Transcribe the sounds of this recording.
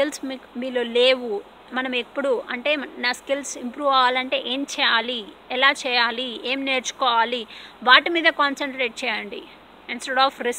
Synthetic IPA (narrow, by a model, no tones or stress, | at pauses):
kilsmimiːloːle̞ːʋu | mɐnɐmepːuɽuɐɳʈe̞ːnaːskilsimpɾuːʋaːʋaːlɐɳʈe̞ːʔe̞ːmt͡ʃɛːjaːliɛlaːt͡ʃɛːjaːlieːmne̞ːɾt͡ʃu̥kɔːʋaːliʋaːʈimiːd̪ɐkaːnsɐɳʈɾe̞ːʈ̚t͡ʃɛːjɐɳɖḭ | insʈeɽaːfʰɾis